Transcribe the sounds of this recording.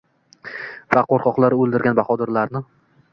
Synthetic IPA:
vaqoɾqʰɒqlˠaɾɪolˠd̪ɪɾɡʲanbaχɒd̪ɪɾlaɾnɪ

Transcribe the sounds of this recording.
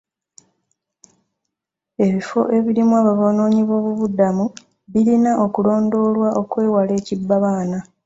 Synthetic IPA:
e̞βifo̞̰ʔe̞βiɾimuwaːβaβono̞ːɲiβo̞ːβuβudamu | βilinaʔo̞kulo̞ːndo̞ːlwaʔo̞kwe̞ːwale̞ːcibːaβaːna

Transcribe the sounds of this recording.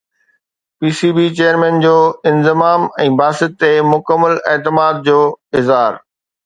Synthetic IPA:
piːsiːbit͡ɕeːəɾmɛ̃ːnd͡ʑoːɪ̃nzɪmaːmɛ̃ːbaːsɪt̪ːemʊkəmːəlɛːt̪ɪmaːd̪̚d͡ʑoːɪzɦaːɾ

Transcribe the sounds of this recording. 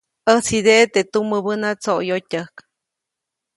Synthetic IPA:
ət͡sid̪eʔt̪et̪uməbənat͡soʔjotʲəhk

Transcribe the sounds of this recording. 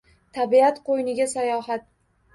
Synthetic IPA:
t̪ʰabiat̪qʰojnɪɡʲasajɒɦat̪̚

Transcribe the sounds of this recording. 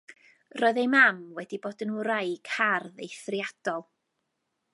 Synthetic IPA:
rɔːɨðejmamwɛdiboːdənuɾajkʰarðejθrjad̥ɔlˠ

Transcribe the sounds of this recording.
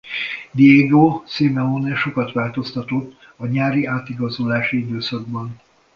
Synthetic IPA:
d̪ieːɡosemɛonɛʃo̞kɒt̪ʋaːlt̪o̞st̪ɒt̪ot̪ː | ɒɲaːɾiaːt̪iɡɒzolaːʃiid̪øːsɒɡ̚bɒn

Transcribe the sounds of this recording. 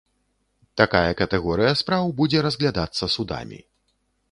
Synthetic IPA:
t̪akajɐkɐt̪ɛɣɔɾɨjɐspɾawbud͡zʲɛɾɐzɣlʲad̪at̪sːɐsud̪a̰mʲḭ

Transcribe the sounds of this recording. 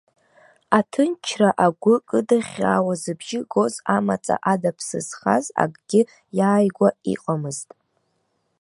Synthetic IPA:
atʰɨnt͡ʃʰraʔaɡʷʊkʼɨdaχʲa̰ːwazɨbʒɪɡo̞zamat͡sʼa̰ʔadapʰsɨ̰z̥χa̰za̰kʼɡ̥ʲɪ | jaːjɡʷaḭqʼamɨztʼ

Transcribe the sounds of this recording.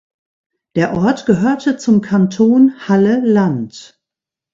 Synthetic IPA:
d̥eːɐʔɔɐtɡ̥əɦøːɐtʰət͡sʊmkʰantʰoːnhaləlant

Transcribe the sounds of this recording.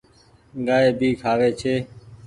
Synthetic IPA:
ɠaːeːbʱiːkʰaːʋeːt͡ʃʰeː

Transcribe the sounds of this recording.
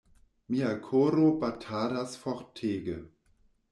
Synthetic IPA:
miakʰoːɾobatʰaːɾasfɔʁtʰːeːɡə

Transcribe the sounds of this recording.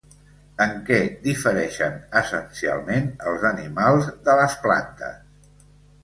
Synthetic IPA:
əŋkɛd̪ifəɾɛʃənəsənsia̰lˠmenəlˠzənimalˠzðələspla̰nt̪ə̰s

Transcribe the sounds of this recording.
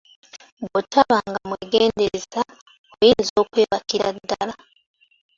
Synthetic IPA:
botʰaβaŋɡamweɡeːndeza | ojiːnzo̞ːkweːβakiɾa̰dːala

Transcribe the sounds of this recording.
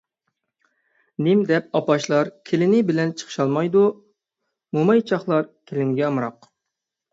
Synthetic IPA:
nɪmd̪ɛp̚ɑpɑʃlˠɑɾkʲʰelɪnɪbɪlɛnt͡ʃʰə̥χʰəʃɑlˠmɑjd̪u | momɑjt͡ʃʰɑχlˠɑɾkʲʰelɪnɡʲɛɑmɾɑq

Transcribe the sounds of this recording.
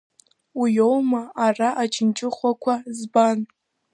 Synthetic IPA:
ijowmaːraʔad͡ʒɪnt͡ʃʼɪχʷakʷʰazban

